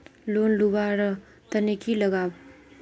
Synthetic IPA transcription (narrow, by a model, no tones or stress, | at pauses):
lonlubaɾʌ | t̪ɐnikʰilʌɡab